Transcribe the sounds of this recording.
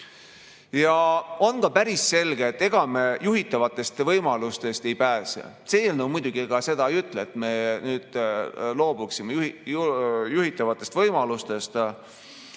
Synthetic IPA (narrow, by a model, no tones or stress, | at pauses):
jɑo̞nkɑpæɾisse̞lɡeːt̪ːe̞ɡ̥ɑmejuɦit̪ːˑɑvɑt̪ːˑe̞st̪vɤjmɑlust̪e̞st̪e̞jpæːsḛ | seelnowmujd̪̥uɡ̥ieɡ̥ɑse̞d̪ɑjyt̪ːˑleet̪me̞nyːd̪̥lo̞ːbuksimej | juɦit̪ːˑɑvɑt̪ˑːe̞st̪vɤjmɑlust̪e̞st̪